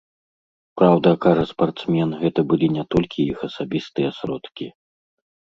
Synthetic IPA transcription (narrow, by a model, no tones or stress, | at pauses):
pɾawd̪ɐkaʐɐspart̪smʲɛnɣɛt̪ɐbɨlʲinʲɛt̪ɔlʲkʲijixɐsabʲist̪ɨjɛsɾɔt̪kʲi